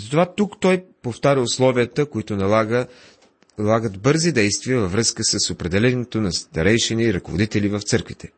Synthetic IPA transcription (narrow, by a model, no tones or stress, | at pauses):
zɐt̪ovat̪ukt̪ɔjpoft̪aɾʲəʊslˠɔviət̪əkoit̪ʊnɐlaɡə | lˠaɡəd̪bɤɾzid̪ɛjst̪viəvɐvɾɤskəsəsopɾɛd̪ɛlɛnɛt̪onɐst̪ɐɾɛjʃɛniːɾɐkovo̰d̪it̪ɛlivɐft̪sɤɾkvit̪ɛ̥